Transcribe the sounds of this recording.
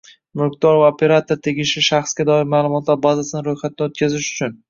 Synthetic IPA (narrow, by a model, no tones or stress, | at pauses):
mʊɾkd̪ɒɾvaopʰe̞ɾat̪oɾt̪ʰe̞ɡʲɪʃɪʃaχsɡʲad̪ɒɪɾmaːlˠʊmɒt̪laɾbazasɪnɪɾojχat̪̚ʰɪnɪot̪̚kʲʰazɪʃʊ̥t͡ʃʰʊn